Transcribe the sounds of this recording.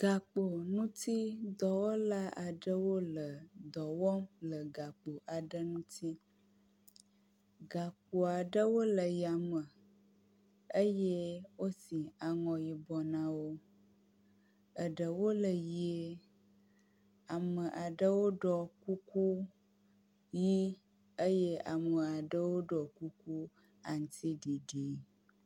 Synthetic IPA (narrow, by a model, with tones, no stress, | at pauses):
ɡ̥a˨k͡po˨nũ˦t̪i˦d̪ɔ˨wo˦la˦a˨ɖə˦wo˦lə˨d̪ɔ˨wɔ˦lə˨ɡa˨k͡po˨ʔa˨ɖə˦nũ˦t̪i˦ | ɡa˨k̚u˨a˨ɖə˦wo˦lə˨ja˨mə˨ | ə˦jɛ˦wo˦si˨a˨ŋɔ̃˨ji˨bɔ˨nã˦wo˦ | ə˨ɖə˨wo˦lə˨ji˨e˦ | a˨mə˨ʔa˨ɖə˦wo˦ɖɔ˦ku˦ku˦ | ji˦ | ə˦je˦a̰˨mə˨a˨ɖə˦wo˦ɖɔ˨ku˦ku˦ | a̰˨ŋ̩˨t̪ʰi˦ɖi˨ɖi˨˦